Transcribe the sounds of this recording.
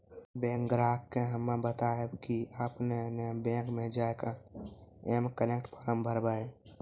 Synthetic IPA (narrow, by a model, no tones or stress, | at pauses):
bẽŋkɡɾakːeɦəmːabət̪aebkiəpnenebẽkmed͡ʒaeka | emkənekʈpʰaɾəmbʱəɾbə